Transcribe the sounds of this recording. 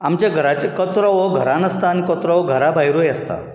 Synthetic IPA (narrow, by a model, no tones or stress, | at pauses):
amt͡ɕjaɡʱəɾat͡ɕekət͡sɾɔʋɔɡʱəɾãnəst̪ankət͡sɾəʋɡʱəɾabʱaɦjɾujəst̪a̰